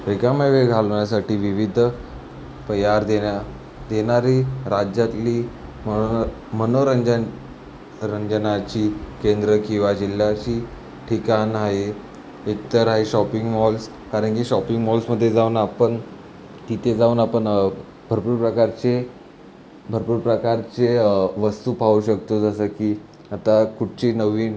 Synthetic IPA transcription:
bekaməʋeɡʱalɳjasaʈiːʋiʋid̪ʱ | pəjaɾd̪eja | d̪eñaɾiɾad͡ʑjat̪liːm | mənoɾəɲd͡ʑ | ɾəɲd͡ʑnat͡ɕiːkend̪ɾəkĩw̃ʋad͡ʑil̤jat͡ɕiː | ʈʰikanɦaɦe | it̪əɾaɦeɕɔpiŋɡmɔls | kaɾəɳkiɕɔpiŋɡmɔlsməd̪ʱːjed͡zauːnapəɳ | t̪it̪ed͡zaunapəɳ | bʱəɾpuːɾpɾəkaɾt͡ɕe | bʱəɾpuːɾpɾəkaɾt͡seʋəst̪uːpauɕək̚t̪od͡zasəkiː | at̪akuʈ̚t͡ɕiːnəʋiː

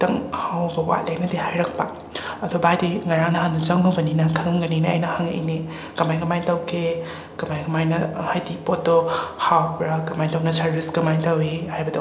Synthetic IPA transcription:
tɐŋhawbɐwa̰t̚lejnɐdehajɾɐk̚pa | ɐdɔbajdiŋɐɾaŋnɐɦandɐt͡ʃɐŋɦɐbɐninɐkʰɐŋmɡɐniniɐ̰jnɐhaŋḛjni | kɐmajɡɐmajtawkʰe | kɐmajɡɐmajnɐhajdipot̚dohawpɾakɐmajtawnɐsaɾbisɡɐmajtawihajbɐdɐ

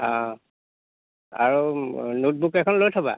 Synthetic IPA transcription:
ã | a̰ɹunut̚bukɛkʰɔnlojtʰaba̰

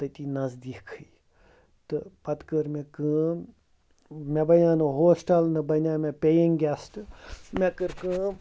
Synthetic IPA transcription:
t̪ɨt̪iːnɐzd̪ikʰɨ | t̪ɨpɐt̪kəɾmẽkɨː | mebɐnʲaːnɨɦoːsʈɐlnɨbɐnʲaːmẽpejiŋɡʲɛsʈmẽkɨɾkɨ̃ː

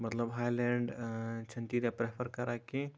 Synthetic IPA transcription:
mɐt̪ləbɦaːjlẽːɳɖt͡ʃʰɐ̃nt̪iɾapɾepʰəɾkɐɾake

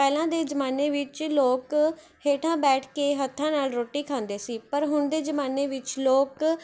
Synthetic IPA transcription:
pɛːlãːd̪eːd͡ʒəmaːneːʋɪt͡ʃloːk | heːʈʰãːbɛːʈʰkeːɦət̪ʰːãːnaːlɾoːʈiːkʰãːnd̪eːsiːpəɾɦʊɳd̪eːd͡ʒəmaːneːʋɪt͡ʃloːk

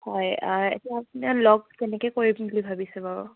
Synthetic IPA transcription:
hɔjaɹɛ̰taapnɛlɔɡzɛnɛkɛkoɹibbulibʱabisɛbaɹṵ

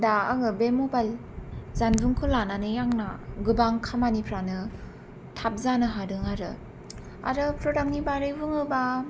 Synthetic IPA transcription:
daaŋɯbemobal | zanvɯŋkʰɯlananɯjaŋnaɡɯbaŋkʰamanipʰɾanɯ | tʰap̚zanɯɦadɯŋaɾɯ | a̰ɾɯpʰɾodaŋnibaɾɯjbɯŋɯba

